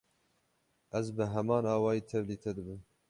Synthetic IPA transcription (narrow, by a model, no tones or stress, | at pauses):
ʔɛzbɨɦɛmɑːnɑːwɑːjiːt̪ʰɛvliːt̪ʰɛd̪ɨbɨm